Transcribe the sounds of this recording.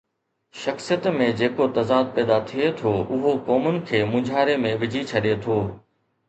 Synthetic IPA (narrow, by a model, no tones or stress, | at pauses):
ʃɐxsijət̪mẽd͡ʑeːkot̪ɐzaːd̪̚pɛːd̪at̪ʰiet̪ʰoːʔʊɦokɔːmʊnɪ̆kʰeːmʊ̃d͡ʑʱaːɾemẽʋɪd͡ʑʱit͡ɕʰɐɗet̪ʰoː